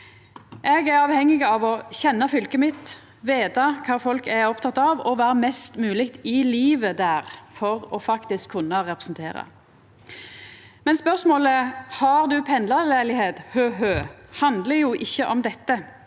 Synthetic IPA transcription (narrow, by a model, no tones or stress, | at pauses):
ʔɛɡæɾɑːʋhɛŋːɪɡɑːʋɔçɛnːɑfʏlkəmɪt̪ | ʋeːd̪ɑkʰɑːfɔlkæɔpt̪ʰɑt̪ːɑʋɔʋæːɾəmɛst̪mʉːlɪkt̪ɪliːʋəd̪æːɾfɔʁɔfɑkt̪ɪskʰːʉnːɑʁɛpʁɛ̥sn̩t̪ʰeːʁɑ̰ | mɛnspœʁsmoːləhɑʁd̪ʉpʰɛnlɑlæɪlɪheːd̪høːɦøːhɑnd̪ləjuʔɪçːəʔɔmd̪ɛt̪ːə